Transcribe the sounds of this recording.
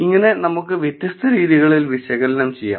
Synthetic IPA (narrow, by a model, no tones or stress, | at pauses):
iŋːɐne̞nɐmuk̬ːɨʋjet̪jɐst̪ʰɐɾiːðiɣɐɭilʋiɕɐɣɐlɐnɐmt͡ɕejːa̰ː